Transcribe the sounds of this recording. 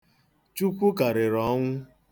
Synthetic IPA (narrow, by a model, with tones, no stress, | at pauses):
t͡ʃu˦kʷu˦ka˨ɾɪ˨ɾɔ˨˦ŋʷʊ˦